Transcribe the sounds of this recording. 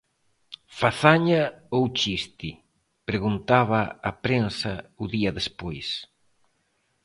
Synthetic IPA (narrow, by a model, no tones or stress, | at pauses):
faθaɲaowt͡ʃist̪i | pɾeɣunt̪aβɐːpɾensɐuðiɐðespojs